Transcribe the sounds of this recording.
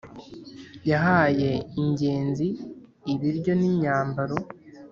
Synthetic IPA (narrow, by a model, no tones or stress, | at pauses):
jaɦaje̞iɲɟe̞ːnziːβiɾɟo̞niɲaːmbaɾo̞